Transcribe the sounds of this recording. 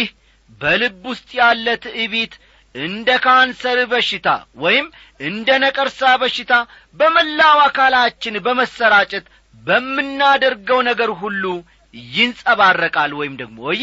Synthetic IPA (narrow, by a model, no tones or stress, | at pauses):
h | bəlɨbːʊst̪ʼjalːət̪ɨβet̪ | ɨnd̪əkʰansəɾbəʃːɪt̪ʰa̰wɔjɪm | ɨnd̪ənəkʼəɾsaβəʃːɪt̪ʰa | bəməlːawakʰalat͡ʃːɪnbəməsːəɾat͡ʃʼɛt̪ | bəmːɨnːad̪əɾɡəwnəɡəɾɦulːu | jɪnsʼəβarːəkʼalwɔjɪmd̪əɡ̚mo̰